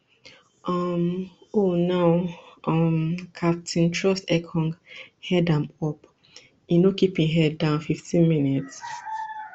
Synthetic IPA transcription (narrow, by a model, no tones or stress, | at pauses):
ʔʌmonaʊɔmkʰap̚tʰĩntʰɹɔstɛkʰɔ̃ŋɡhɛdãmɔp | inokipĩŋɦɛdãʊ̃nfiftʰĩnminits